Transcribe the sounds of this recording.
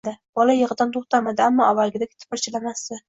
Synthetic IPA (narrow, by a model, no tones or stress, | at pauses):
d̪ɪb̥ɒlajɨʁɨd̪ant̪ʰoχt̪ʰamad̪ɪamːɒawalˠɡʲɪd̪aɡʲɪt̪ʰɪ̥pɪɾt͡ʃʰɪlamast̪ɪ